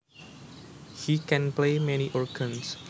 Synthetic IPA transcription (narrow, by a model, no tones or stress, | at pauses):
hikɛ̃nplemɛniʔɔɹkʰə̃ns